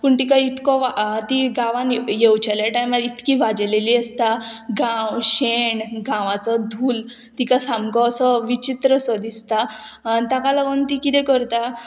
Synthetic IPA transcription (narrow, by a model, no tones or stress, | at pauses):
puɳʈikait̪kɔʋat̪iɡãʋãnjewt͡ɕaljaʈajmait̪kiʋad͡zleliːəst̪aɡãwɕeɳɡãʋat͡sɔd̪ʱuːl | t̪ikasamɡɔəsɔʋit͡ɕit̪ɾəsəd̪ist̪anit̪akalaɡənt̪ikit̪ɛ̃kəɾt̪a